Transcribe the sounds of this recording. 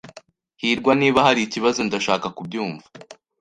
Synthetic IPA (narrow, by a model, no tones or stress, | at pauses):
hiːɾɡwaniːβahaɾiiciβazondaʃaːkakub̚ɟuːɱva